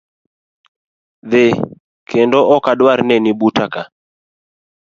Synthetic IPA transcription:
ðe | kʰendɔʔɔkadwaɾnɛnibutaka

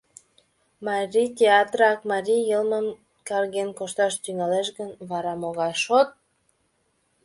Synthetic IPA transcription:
mɑɾʲit̪ʲeɑt̪rɑkmɑɾʲijəlməm | kɑrɣenkoʃt̪ɑʃt̪yŋɑleʃɣənβɑɾɑmoɣɑʃot̪̚

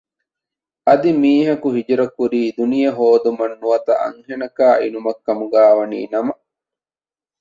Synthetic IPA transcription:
ɐd̪imiːɦɐkuɦid͡ʒɾɐkuɾiːd̪unijɐɦoːd̪umɐnːuɐt̪ɐ̰ʔɐ̰ŋɦenɐkaːʔinumɐkːɐmuɡaːʋɐnḭːnɐmɐ

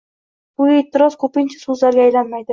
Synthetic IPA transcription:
b̥ʊet̪ʰːɪɾɒz̥kʰɵpɪnt͡ʃʰḁsuzlaɾɡʲaːjlanmajd̪ɪ

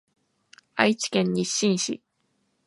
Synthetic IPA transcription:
a̰it͡ɕi̥kẽ̞ɲ̟ːiɕːĩɰ̃ɕḭ

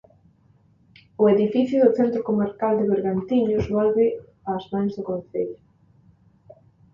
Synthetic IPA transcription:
ʊeðifiθjuðʊθent̪ɾokomaɾkald̪ɪβeɾɣant̪iɲʊzβolβɪ | azmãŋzðʊkonθeʎʊ

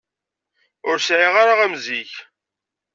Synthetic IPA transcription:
ʊɾsʕiʁaɾaʁæmziç

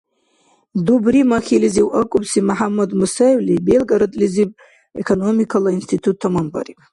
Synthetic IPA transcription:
dubrimaxʲiliziwʔakʷʼubsimaħamːad̪musawlibelɡaɾɨt̪ʼlizipʼ | ḛkʰonomikʰalainst̪ʰit̪ʰutʰːamamba̰ripʼ

